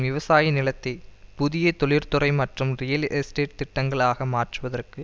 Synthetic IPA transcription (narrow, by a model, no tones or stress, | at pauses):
ʋɪʋɐsaːjɐnɪlɐt̪ːɐɪpʊðɪjɐt̪ɔɭɪɾt̪ʊrɐɪmɐʈrɯmrɪjɐlɛsʈeːʈ̚t̪ɪʈːɐŋɡɐɭaːɣɐmaːʈrɯʋɐðɐrkɯ